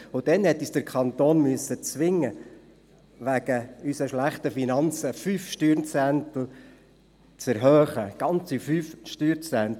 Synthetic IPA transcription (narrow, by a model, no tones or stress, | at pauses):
ʊd̥̪ɛnhɛt̪ːisd̥əɾkʰχɑnt̪oːnmyəsːət͡sʋɪŋːə | ʋæɡ̥əysəʃlæχtəfinɑnt͡səfyfʃtyːɾnt͡sænt̪l̩ | t͡sɛɾɦœːχəɡ̥ɑnt͡sifyfʃtyːɾt͡sænt̪